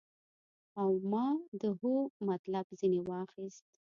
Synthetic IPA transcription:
awmɑd̪əhomat̪labzinewɑxist̪

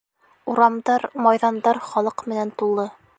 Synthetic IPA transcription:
uɾɑmd̪ɑɾmɑjðɑnd̪ɑɾχɒlˠɤqmɘ̆nænt̪ulˠːɤ

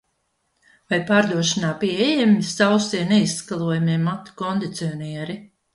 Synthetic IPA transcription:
vajpaːɾd̪uɔʃinaːpiɛjɛmʲisawsiɛnɛisːkalˠuɔjamiɛmːat̪i̥kɔnd̪it̪siɔniɛɾi

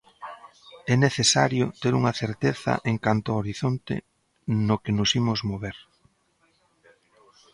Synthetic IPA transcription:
ɛneθesaɾjʊt̪eɾuŋaθeɾt̪eθɐ̰ʔeŋkant̪ʊaoɾiθont̪ḛ | nʊkenʊsimʊzmoβeɾ

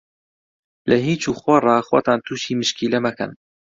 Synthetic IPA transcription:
lɐɦiːt͡ʃuːxwɔrˤɑxwo̰t̪aːnt̪ʰuːʃiːmɨʃkʰiːlɛmɐkɐ̰n

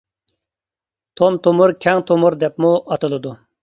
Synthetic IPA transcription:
t̪ʰomt̪ʰomuɾkʲʰɛŋt̪ʰomuɾd̪ɛpmuʔɑt̪ɨlˠɨd̪u

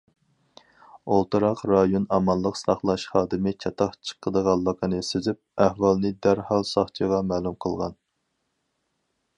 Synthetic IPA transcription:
olˠt̪ɨɾɑqɾɑjonɑmɑnlˠəqsɑχlˠɑʃχɑːd̪ɪmɪkʲʰɑt̪ʰɑχt͡ʃʰə̥qʰːəd̪əʁɑlˠːɑkʰɑnɨsezyp̚æhwɑlˠnɪd̪æɾhɑlˠsɑχt͡ʃʰəʁɑmæːlˠumqʰəlˠʁɑ̰n

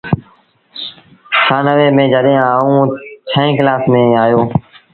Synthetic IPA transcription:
xaːnəʋeːmẽːd͡ʒəɗɪjãːũːt͡ʃʰəĩːklaːsmẽːaːjoː

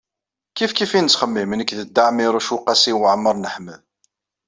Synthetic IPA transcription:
kifkifint͡sːχəmːimənəkðəd̪ːaʕmiɾˤuʃuqɑsiwʕəmːəɾˤnəħməð

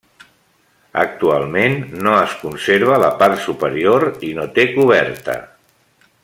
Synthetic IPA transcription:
ə̰k̚t̪ualˠmenːoəskunseɾβ̞ələpart̪supəɾioɾinot̪ekuβɛɾt̪ə̰

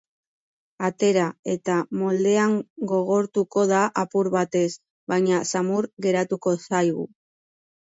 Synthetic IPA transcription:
at̪e̞ɾae̞t̪amo̞ld̪e̞aŋɡo̞ɣ̞o̞ɾt̪uko̞ðaʔapuɾβat̪e̞s | βajɲasamuɾɣe̞ɾat̪uko̞sajɣṵ

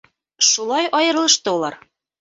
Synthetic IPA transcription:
ʃulˠɑjɑjɤ̆ɾlˠɤ̆ʃt̪olˠɑr

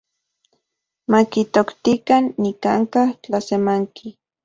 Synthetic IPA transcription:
makit̪okt̪ikanːikaŋkaht͡ɬasemaŋki

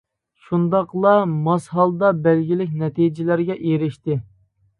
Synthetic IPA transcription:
ʃund̪ɑqlˠɑmɑsɦɑlˠd̪ɑbælɡʲilɪk̚ʲnɛt̪id͡ʒɪlæɾɡʲɛʔeɾɪʃt̪ɪ

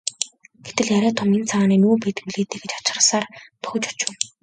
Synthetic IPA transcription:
ɡ̥et̪ɘ̆ɮjaɾʲæːt̪ʰɔment͡sʰaʁaːniːnuːpeːt̪ɘ̆kmuɮeːt̪eːkɡĕt͡ɕḁt͡ɕ̆rə̆ɮsaːrp̪ʊ̥xɵ̆t͡ɕʊt͡ɕɪ̆n

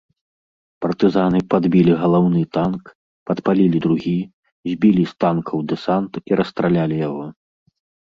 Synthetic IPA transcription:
pɐrt̪ɨzanɨpad̪bʲilʲiɣɐlˠawnɨt̪ank | pɐt̪palʲilʲid̪ɾuɣʲi | zʲbʲilʲist̪ankʰɐwd̪ɛsant̪iɾʔɐst̪ɾalʲalʲijaɣɔ

